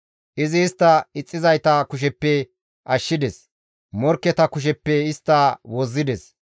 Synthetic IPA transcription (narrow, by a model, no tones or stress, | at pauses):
ʔɪzɪːst̪ːɐɪt͡sʼːɪzɐjt̪ɐkʊʃ̬ɛpːɛ | ʔɐʃːɪd̪ɛs | mɔɾkːɛt̪ɐkʊʃ̬ɛpːɛɪst̪ːɐwɔzːɪd̪ɛs